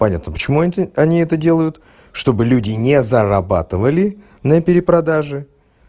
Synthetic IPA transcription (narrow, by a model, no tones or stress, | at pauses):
pɐnʲat̪nəpə̥t͡ɕɪmuɐnʲiɛt̪ədʲe̞lˠəjʊt̪ | ʂt̪o̞bɨlʲʉdʲɪnʲezəɾɐba̰t̪ɨvəlʲɪ | nəpʲɪɾʲɪpɾɐd̪aʐɨ